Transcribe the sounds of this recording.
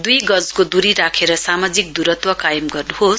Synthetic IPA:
d̪ujɡʌd͡zkod̪uɾiɾakʰeɾʌsamad͡zik̚d̪uɾʌt̪wʌkajʌmɡʌrnuɦos

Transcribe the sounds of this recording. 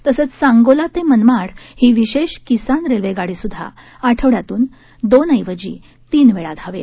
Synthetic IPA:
t̪əsət͡ssãŋɡolat̪emənmaɽhiːʋiɕeɕkisanɾelʋeɡaɽiːsud̪ʱːa̰ | aʈʰəʋɽjat̪uːn | d̪onəjʋəd͡ʑḭː | t̪iːnʋeɭad̪ʱaʋḛ

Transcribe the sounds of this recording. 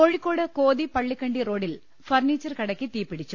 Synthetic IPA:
oɻikːo̞ːɽɨko̞ːðipɐɭːikːɐɳɖiro̞ːɽil | fɐrniːt͡ɕːɐrkɐɽɐkʲːit̪iːpːiɽit͡ɕːu

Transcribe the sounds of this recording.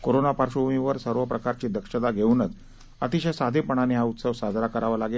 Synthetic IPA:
koɾonapaɾɕuumiʋəɾsəɾʋəpɾəkaɾt͡ɕiːd̪ʱəkʂəd̪aɡʱeunət͡s | ə̰t̪iɕejsad̪ʱepəɳ̃aniɦaut̪səʋsad͡z̪ʱɾakəɾaʋalaɡel

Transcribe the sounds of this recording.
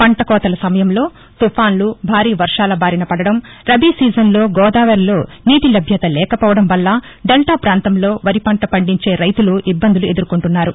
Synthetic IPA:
pɐɳʈɐkɔːt̪ɐlɐsɐmɐjɐmlo̞ː | t̪upʰaːnlubʱaːɾiːʋɐɾʂaːlɐbaːɾinɐpɐɽɐɽɐm | ɾɐbiːsiːd͡ʒɐnlo̞ːɡɔːd̪aːʋɐɾlo̞ː | niːʈ̪ilɐbʱjɐt̪ɐlɛːkɐpɔːʋɐɽɐmʋɐlːɐ | ɖelʈaːpɾaːnt̪ɐmlo̞ːʋɐɾipɐɳʈɐpɐɳɖiɲt͡ʃe̞ːɾɐjt̪uluʔibːɐnd̪ulue̞d̪uɾukuɳʈunːaːɾu

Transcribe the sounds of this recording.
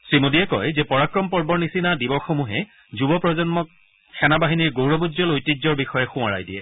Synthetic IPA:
sɹimudijɛkɔ̰jzɛpɔɹakɹɔmpɔɹbɔɹnisinadibɔɹxomuɦɛ | zubɔpɹɔzɔnmɔk̚ | xʰɛnabaɦiniɹɡowɹɔbuzɔlojtizɔɹbixɔjɛxʊ̃waɹa̰jdiɛ̰

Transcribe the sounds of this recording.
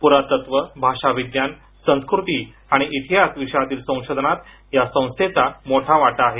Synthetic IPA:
puɾat̪ət̪ʋəbʱaʂaʋiɡjan | sə̃skɾut̪iː | aɽ̃iʔit̪ʰiɦasʋiɕjat̪iːlsə̃w̃ʂod̪ʱənat̪ | jasə̃w̃st̪ʰet͡samoʈʰaʋaʈaaːɦe

